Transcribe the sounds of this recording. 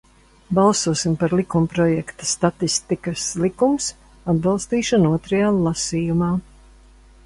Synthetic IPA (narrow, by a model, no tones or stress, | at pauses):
balˠsuɔsimpaɾlˠikumpɾɔjɛkt̪ḁst̪at̪ist̪ikɐslˠikums | ad̪bɑlˠst̪iːʃɔnuɔt̪ɾajaːlˠasiːjumaː